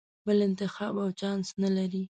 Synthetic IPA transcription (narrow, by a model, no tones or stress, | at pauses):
bɪlɪnt̪ɪxɑːbawt͡ʃansnalaɾi